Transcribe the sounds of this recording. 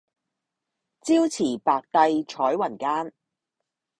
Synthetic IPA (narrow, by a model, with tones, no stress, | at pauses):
t͡siː˥wt͡sʰiː˨˩paː˨˧k̚t̪ɐ˧jt͡ʃʰɔː˨˥jwɐ˨˩nkaː˥n